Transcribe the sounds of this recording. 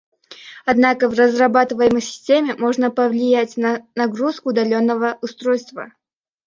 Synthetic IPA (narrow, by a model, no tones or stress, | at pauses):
ɐd̪nakəvrəzrɐbat̪ɨvəjɪməjsʲɪ̥sʲtʲemʲɪmo̞ʐnəpəvlʲɪjætʲnɐnɐɡɾuskʊːd̪ɐlʲo̞nːəvəʊst̪ɾo̞jst̪və̰